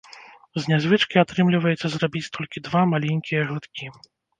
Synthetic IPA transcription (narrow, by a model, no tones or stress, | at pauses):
zʲnʲazvɨt͡ʂkiat̪ɾɨmlʲivɐjɛt̪sːɐzrabʲit͡sʲt̪ʰɔlʲkʲid̪vamalʲɛnʲkʲijɐɣut̪kʲi